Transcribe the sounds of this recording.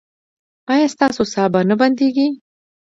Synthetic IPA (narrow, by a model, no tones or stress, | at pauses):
ɑjɑst̪ɑsosɑbanəband̪eɡi